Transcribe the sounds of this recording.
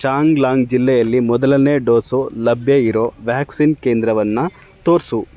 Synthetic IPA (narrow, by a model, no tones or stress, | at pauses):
t͡ʃaːŋɡlaːŋɡd͡ʒilːɛjɐlːimɔd̪ɐlɐneːɖoːsoːlɐbʱjɐiɾo̞ːʋjaːksinkeːnd̪ɾɐʋɐnːu | t̪o̞ːɾsu